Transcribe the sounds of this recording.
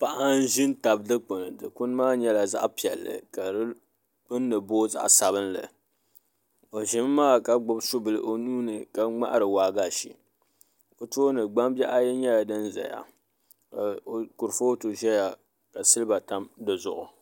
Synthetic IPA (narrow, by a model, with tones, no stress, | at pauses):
pa˦ʔa˦n˦ʒɪ˦n˦ta˨b̚dɨ˦k͡po˨nɨ˨dɨ˨kʊ˦n˦maː˦ɲɛ˦la˨za̰˦ʔpi˨ɛ̰˨lːɨ̰˨ka˨ɾɨ˦ | k͡pɨ˦nː˦ɨ˨boː˦za̰˦ʔsa˨βɨ˦nlɨ̰˨ | o˨ʒɪ˦mː˦aː˦ka˦ɡ͡bʊ˦bsʊ˦bɨ˨lɨ˨ʔo˦nuː˦nɨ˨ka˦ŋ͡ma̰˦ʔɾɨ˨waː˨ɡa˦˨ʃḭ˨ | o˨to˦nɨ˨ɡ͡ba˦mbɛ˦ʔa˦jɛ˦ɲɛ˦ja˨dɨ˦nza̰˨ja̰˨ | ka˨o˨kʊ˨ɾfo˦to˨ʒɛ˦ja˨ | ka˨sɨ˦lɨ˦ba˨ta˦mdɨ˨zʊ̰˨ʔʊ˨